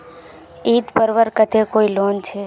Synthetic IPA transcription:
it̪pəɾʋəɾkət̪ʰekoilont͡ʃʰe

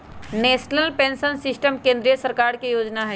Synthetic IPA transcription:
neːʃnəlpẽːnʃənsɪsʈəmkẽːnd̪ɾijəsəɾkaːɾkejoːd͡ʒnaɦɛ

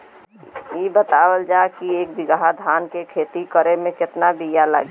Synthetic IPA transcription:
jibət̪aːwəld͡ʒakieːk̚bɪɡɦad̪ʱaːnkekʰeːt̪ikəɾemẽkɪt̪nabijala̰ɡe

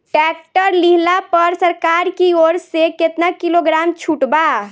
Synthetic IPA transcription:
ʈɛkʈəɾliɦlapəɾsəɾkaːɾkioːɾseket̪nakiloɡɾaːmt͡ʃʰuʈba

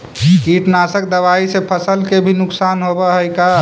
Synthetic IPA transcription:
kiʈnaːsəkd̪əʋaisepʰəsəlkebʱinʊksaːnɦobaɦəjka

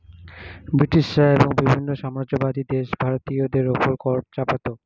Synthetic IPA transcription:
bɾiʈiʃaeboŋbibʱinːoʃamɾad͡ʑobad̪ʱid̪eʃbʱaɾot̪iod̪eɾopoɾkɔt͡ɕapat̪o

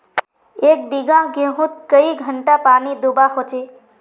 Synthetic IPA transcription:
eːk̚biɡãɡẽɦũt̪kəiɡʱəɳʈapaːnid̪ubaɦot͡ʃe

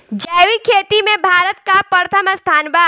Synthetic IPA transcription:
d͡ʒɛːwikʰeːt̪imẽbʱaːɾət̪̚kapəɾət̪ʰəməst̪ʰaːnba

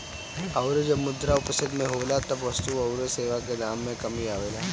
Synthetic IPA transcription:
ɐʊɾed͡ʒɐbmʊd̪ɾaʊpst̪ɪd̪mẽɦoːlat̪ɐbʋɐst̪uɐʊɾeseːʋakenaːmːẽkɐmiaːʋeːlaː

